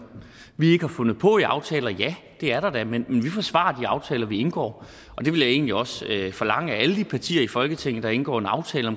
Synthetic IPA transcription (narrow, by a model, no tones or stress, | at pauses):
ʋie̝ɡ̥əhɑ̈fɔ̽nð̞̩ˠpʰɔ̽iɑ̈ʊt͡sʰɛːlɐjæ | d̥e̝æɐɾ̥ɑ̈d̥æmenmenʋifɒ̽sʋɑ̰̈ɐd̥iɑ̈ʊt͡sʰɛːlɐʋie̝nɡ̥ɒ̰ː | ʔɒ̽d̥e̝ʋe̝ljae̝̰ːnliɒ̽søfɒ̽lɑ̈ŋ̰əææləd̥ipʰɑt͡sʰḭːɐifɒ̽lɡ̥ət͡sʰeŋ̰n̩d̥ɑ̈e̝nɡ̥ɒ̰ːe̝nɑ̈ʊt͡sʰɛːləɒ̽m